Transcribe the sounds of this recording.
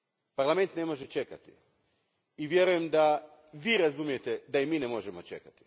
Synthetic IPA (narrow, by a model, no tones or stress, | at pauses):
paɾlˠame̞nt̪ne̞mo̞ʒet͡ʃe̞kat̪i | iʋje̞ɾuje̞md̪a | ʋiːɾazumije̞t̪ed̪aimiːnemo̞ʒemo̞t͡ʃe̞̰kat̪i̥